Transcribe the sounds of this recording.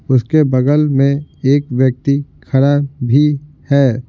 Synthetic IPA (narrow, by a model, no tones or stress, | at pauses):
ʊskebɐɡəlmẽeːkʋjək̚t̪ixɐɾaːbʱi | hɛː